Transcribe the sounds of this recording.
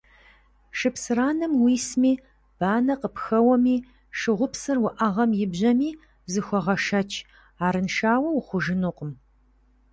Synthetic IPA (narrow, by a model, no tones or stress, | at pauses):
ʃɨpsɨraːnɨmwiːsmiː | b̥aːnɐqəpxɐwɐmiː | ʂɨʁʷʊpsɨrwʊʔɐʁɐmjɪbʑɐmiː | zɨxʷɔʁɐʃɐt͡ʃʰ | aːɾɨnʃaːwɐwχʷʊʒɪnuqəm